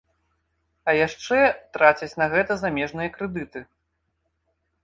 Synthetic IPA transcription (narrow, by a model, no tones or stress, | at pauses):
ɐjaʂt͡ʂɛt̪ɾat͡sʲɐt͡sʲnɐɣɛt̪ɐzamʲɛʐnɨjɐkɾɛd̪ɨt̪ɨ